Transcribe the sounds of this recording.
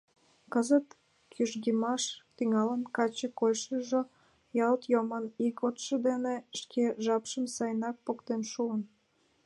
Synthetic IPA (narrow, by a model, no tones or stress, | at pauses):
kəzət̪ | kʰyʒɣimɑʃt̪yŋɑlənkɑt͡ɕekojʃəʒo | jɑlt̪jomənikot̪ʃə̆d̪eneʃkʰeʒɑpʃəmsɑjnɑk̚pokt̪enʃuən